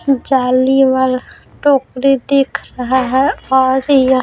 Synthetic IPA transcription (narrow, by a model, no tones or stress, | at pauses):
d͡ʒaːliʋal | ʈoːkɾid̪eːkʰɾɐɦaɦɛɔːɾj